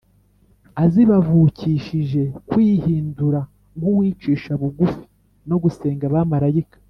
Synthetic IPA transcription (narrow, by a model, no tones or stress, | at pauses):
aziβavuːciʃiʒe̞kwiːhiːnduɾa | ŋɡuwiːt͡ʃiːʃaβuɡufi̥ | no̞ɡuse̞ːŋɡaβamaɾajikḁ